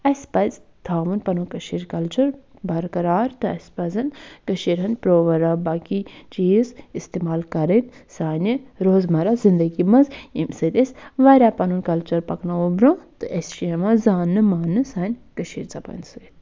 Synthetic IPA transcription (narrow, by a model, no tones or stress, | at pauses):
ɐspɐzt̪ʰaːʋɨnpɐnunkɐʃiːɾkɐlt͡ʃɐɾbɐɾkɐɾaːɾt̪ɨɐ̰spɐzɐnkɐʃiɾɦɐnpɾoːʋɐɾabaːkit͡ʃiːzist̪eːmaːlkɐɾɐnsaːnʲiɾoːzmɐɾazind̪ɐɡimɐnzimsɨt̪ʲesʲʋɐɾʲaːpɐnunkɐlt͡ʃɐɾpɐknaobɾõːt̪ɨʔɐsʃiɐmãzaːnːɨmaːnːɨsaːnʲkɐʃiːɾt͡sɐpɐ̰nsɨit̪